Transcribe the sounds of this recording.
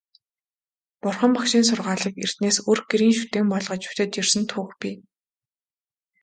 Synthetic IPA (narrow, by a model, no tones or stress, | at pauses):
pʊrχə̆mpakʃiːns̬ʊrʁaːɮə̆kḛr̥t̪neːsorɡeɾiːnʃut̪eːmpɔɮʁɞ̆t͡ɕʊ̥t͡ɕ̪ɘ̆t̪t͡ɕirsɘ̆nt̪ʰuːxpʲiː